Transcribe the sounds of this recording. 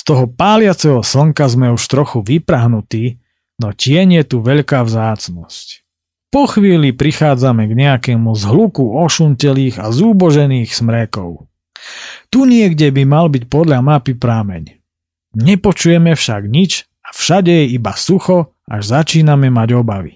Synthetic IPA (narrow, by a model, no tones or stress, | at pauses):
st̪ɔɦɔpaːlɪat͡sɛɦɔsl̩ŋkazmɛuʃt̪ɾɔxuʋipɾaɦnut̪iː | nɔcɪɛɲjɛt̪uʋɛʎkaːvzaːt͡snɔsc | pɔxʋiːlipɾixaːd͡zamɛɡɲɛakɛːmuzɦlukuɔʃuncɛliːɣazuːbɔʒɛniːxsmɾɛkɔʊ | t̪uɲɪɛɡɟɛbimalbicpɔd̪ʎamapipɾaːmɛ̰ɲ | ɲɛpɔt͡ʃujɛmɛfʃaɡɲit͡ʃ | afʃaɟɛjɛibasuxɔ | ʔaʒzat͡ʃiːnamɛmaɟɔbaʋḭ